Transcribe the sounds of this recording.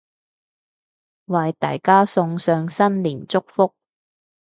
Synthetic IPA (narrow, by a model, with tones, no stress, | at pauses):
wɐ˨jt̪a̰ː˨jkaː˥sʊ˧ŋsœː˧ŋsɐ˥nliː˨˩nt͡sʊ˥k̚fʊ˥k̚